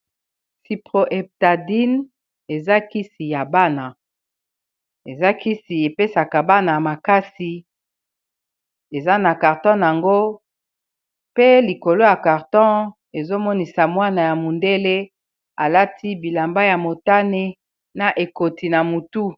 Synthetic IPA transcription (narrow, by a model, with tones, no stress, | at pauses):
si˨pʁo˨ʔɛ˨p̚ta˨di˦n | e˨za˦ki˦si˨ja˨ba˦na˨ | e˨za˦ki˦si˨e˨pe˦sa˨ka˨ba˦na˨a˨ma˨ka˦si˨ | e˨za˦na˨ka˨ʁtɔ̃˦n˨a˨ŋɡo˦ | pe˦li˨ko˨lo˦ja˨ka˨ʁtɔ̃˦ | e˨zo˦mɔ˦ni˨sa˨mwa˦na˨ja˨mu˨nde˦le˦ | a˨la˦tʰi˦bi˨la˨mba˦ja˨mo˨ta˦ne˦ | na˨ʔe˨ko˨ti˨na˨mu˨tu˦